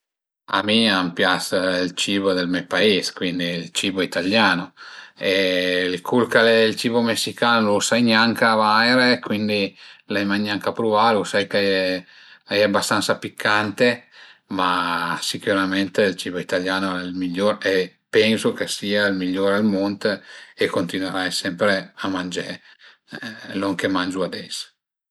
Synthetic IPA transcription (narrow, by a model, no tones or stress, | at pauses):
a̰miampjasilt͡ʃiːbod̪elmɛpaiskwind̪iːlt͡ʃiboit̪aljaːnoeilkʰulkalɛilt͡ʃiːvomesːikaːnolusajɲaŋkavajɾekwind̪ilɛjmajɲaŋkapɾuvalusajke | lajɛabːast̪ant̪sapikʰːant̪emasikuɾament̪eilt͡ʃiːvoit̪aljaːnoɛlmiʎːoɾe | pɛnsokesiːailmiʎːoːɾealmont̪eekːont̪inweɾajsɛmpɾeamand͡ʒe | loŋkemand͡ʒuad̪ɛs